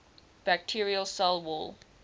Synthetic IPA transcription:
b̥æk̚tʰiɹiəlsɛlˠwɔl

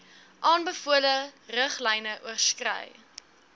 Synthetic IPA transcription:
ʔɑːnbəfuələrəχlɛjnəʔuərskrə̰j

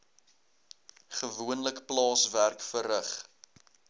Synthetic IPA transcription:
χəvuənləkplɑːsværkfəɾəχ

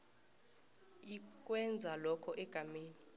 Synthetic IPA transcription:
ik̬ʼwɛnd͡zʱalɔkʰɔʔɛɡ̥ʱameːni

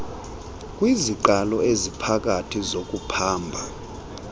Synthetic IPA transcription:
k̬ʼwiziǃalɔezipʰak̬ʼatʰizok̬ʼupʰaːmbʱa

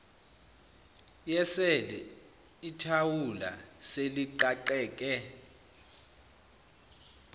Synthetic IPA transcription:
jɛsɛlɛ | itʰawula̰seliǃaǃɛːk̬ʼɛ

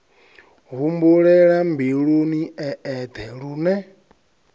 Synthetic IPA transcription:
ɦumbuɺɛɺambiɺuniɛːd̪ʰɛɺunɛ

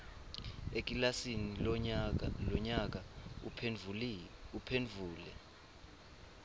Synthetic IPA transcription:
ek̬ʼilasini | lɔɲak̬a | upʰenvʱuːlɛ

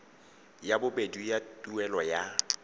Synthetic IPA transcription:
jabʊbedujatʼuɛlɔja

